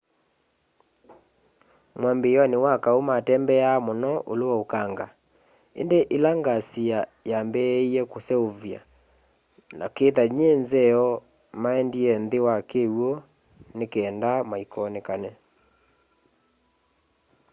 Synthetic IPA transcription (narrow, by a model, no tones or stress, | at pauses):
mwambejɔnewakaomatɛmbɛamonɔʔoloɔokaŋɡa | ḛndeʔelaŋɡasiajambɛiɛkosɛovja̰ | na̰keːðaɲenzɛɔ | maɛndiɛnðewakewɔ | nekeːndamaikɔnekanɛ